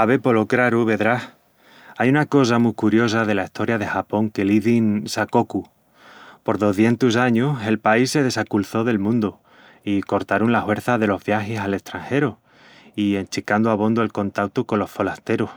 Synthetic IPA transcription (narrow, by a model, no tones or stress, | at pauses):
aβe̞po̞lokɾaɾuβe̞ðɾah | ajunako̞samukuɾjo̞s̬aðe̞laist̪ʰo̞ɾjaðe̞xapo̞ŋke̞liðinsako̞ku | po̞ɾðo̞θje̞nt̪usaɲuse̞lpaisːeð̞e̞sakulθo̞ðe̞lmũnd̪o | iko̞ɾt̪aɾunlahwe̞ɾθaðe̞lo̞zβjaxesale̞st̪ɾaŋxe̞ɾo | ie̞nt͡ʃikand̪oaβo̞nd̪oelko̞nt̪ak̚t̪uko̞nlːo̞sfo̞last̪e̞ɾo